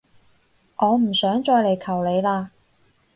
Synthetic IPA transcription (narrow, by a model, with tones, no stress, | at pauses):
ŋɔː˨˧m̩˨˩sœː˨˥ŋt͡ʃɔː˧jle˨jkʰɐ˨˩wle˨˧jlaː˧